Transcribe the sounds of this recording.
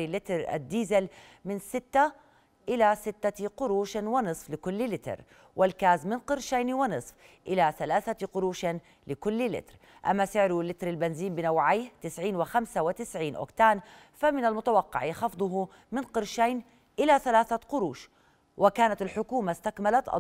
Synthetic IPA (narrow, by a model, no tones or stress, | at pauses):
lɪt̪ɾa̰d̪ːiːzɪl | mɪnsɪt̪ːa | ʔɪlasɪt̪ːaqʊɾuːʃwɪnɨsˤflɪkʊlːlɪt̪ɪ̰ɾ | wʔɪlkaːzmɪnqɨɾʃaːniwɪnɨsˤfʔɪlaθalaːθaqʊɾuːʃa | lɪkʊlːlɪ̰t̪ɾ | ʔa̰mːasɪʕɾʊlːɪt̪ɾalbɪnziːmbɪnawʕajht̪ɪsʕiːnwɪxamsawɪt̪ɪsʕiːnʔʊ̰kt̪aːn | famɪnalmʊt̪awɑqːɑ̰ʕjɪxɑfd̪ˤʊɦu | mɪnqɨɾʃaːn | ʔɪlaθalaːθaqʊɾuːʃ | wʔɪkaːnat̪alħʊkuːmast̪akmalat̪ʔɑ̰